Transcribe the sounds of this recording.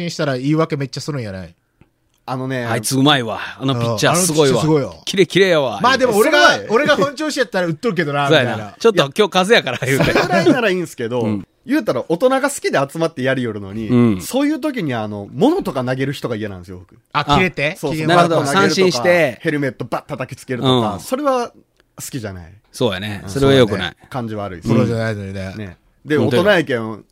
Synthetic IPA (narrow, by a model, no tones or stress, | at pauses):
ĩɕi̥t̪aɾaiːβake̞me̞t͡ɕːasɨɾɯ̟̃ɰ̃jana̰i | ano̞ne̞ait͡sɨɯmaiβaːnopʲit͡ɕːasɨɡoiβaɨɡo̞io̰kʲiɾekʲiɾejaβamaːd̪e̞moeɡaoɾe̞ɡahõɲt͡ɕoːɕiat̪ːaɾaɯ̟t̪ːoɾɯ̟k̬e̞d̪o̞namiaanaj̃na̰t͡ɕot̪ːokʲo̞ːkazɨjakaɾajɯːeaɾainaɾaĩːnsɨ̥ke̞d̪o̞ | jɯ̟ːt̪aɾaʔo̞t̪o̞naɡasɨ̥kʲid̪eat͡sɨmat̪ːe̞jaɾʲijo̞ɾɯ̟no̞̰ɲ̟ĩso̞ːjɯ̟ːt̪̬o̞k̬ʲiɲ̟iano̞mo̞no̞t̪o̞kanaɡe̞ɾɯ̟çi̥t̪o̞ɡaieãnd̪sɨjobo̞kɯ̟aiɾe̞t̪esoːsnaɾɯhod̪onaɡaẽɾɯ̟ɕiõɕkiat̪e̞he̞ɾɯ̟me̞t̪ːo̞bat̪ːat̪akʲi̥t͡sɨ̥ke̞ɾɯ̟õkaso̞ɾe̞βa | sɨ̥kʲiʑana̰i | soːjaneso̞ɾeajok̪ɯ̟na̰ikãɲ̟d͡ʑiβaːɾɯ̟ḭsoɾanaizoinene̞̰ | d̪e̞ot̪o̞naikẽ̞